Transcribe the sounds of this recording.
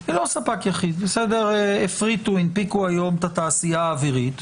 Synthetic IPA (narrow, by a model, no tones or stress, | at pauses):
elo̞sapakjaχid̪̚besed̪e̞ʁefʁit̪uinpikuajo̞met̪at̪aːsijaːviʁit̪